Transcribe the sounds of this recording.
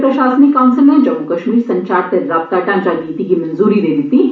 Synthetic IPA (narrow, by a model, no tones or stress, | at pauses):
pɾɐʃaːsənikaːmsəmɛ̃d͡ʒɐmukɐʃmiːɾsɐ̃ɲt͡ʃaːɾt̪eɾɾapt̪aʈãːt͡ʃaniːt̪ikimɐnzuːɾiɾeːd̪ɪt̪i